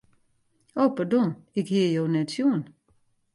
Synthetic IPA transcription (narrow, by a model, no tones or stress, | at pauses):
oːpərdɔnɪkhijoːnɛtsjuən